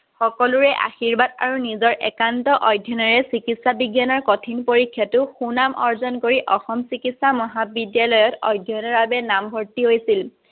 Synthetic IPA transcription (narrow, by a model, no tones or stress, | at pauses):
xɔkɔluɹɛʔa̰xiɹbada̰ɹunizɔɹʔɛ̰kantɔʔɔjdʱːjɔnɔɹɛsikitsabiɡjanɔɹkɔtʰinpoɹikʰːjɔtʊxunamʔɔɹzɔnkoɹiʔɔxɔmsikitsamɔɦabidjalɔjɔtɔ̰jdʱjɔnɔɹbabɛnambʱɔɹtiɦojsil